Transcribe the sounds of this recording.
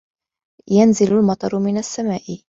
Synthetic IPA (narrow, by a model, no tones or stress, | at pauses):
janzɪlalmɑt̪ˤɑɾˤmɪnasːamaːʔɪ